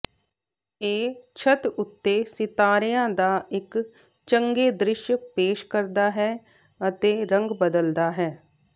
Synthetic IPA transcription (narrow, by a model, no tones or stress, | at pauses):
eːt͡ʃʰət̪ʊt̪ːeːsɪt̪aːɾɪjãːd̪aːɪk | t͡ʃəŋɡeːd̪ɾɪʃjpeːʃkəɾd̪aːɦɛː | ət̪eːɾə̃ŋɡbəd̪əld̪aːɦɛː